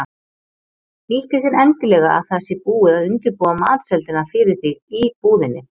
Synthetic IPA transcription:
iːcɪs̬ɪnɛncɪlɛɣaa̰ðθasɪpuːɪðaðʏnt̪ʏɾpɔːamaːt̪sɛlt̪ɪnafɪɾɪɾ̥θiɣipuːðɪnːɪ

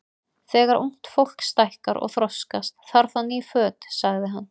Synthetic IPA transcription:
θɛːɣaɾʔuŋ̥t̪fowl̥kst̪ajhkaɾɔ̰ɣθɾɔskast̪θaɾ̥θanːifœːt̪saɣðɪɦanː

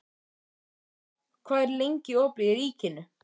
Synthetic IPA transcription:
kʰvaːðɛɾlejɲcɪɔpɾiɾiːcɪnʏ

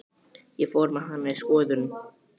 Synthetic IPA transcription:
jɛfɔɾmaɦanːaiskɔːðʏnʏm

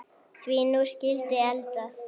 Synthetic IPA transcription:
θviːnuscɪlt̪ɪɛlt̪aθ

